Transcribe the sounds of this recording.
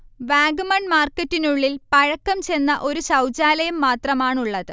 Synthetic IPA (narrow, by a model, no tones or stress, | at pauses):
ʋaːɡumɐɳmaːrkɐtːinuɭːilpɐɻɐkːɐmt͡ɕe̞nːɐʔo̞ɾuɕɐwt͡ɕaːlɐjɐmːaːt̪rɐmaːɳuɭːɐðɨ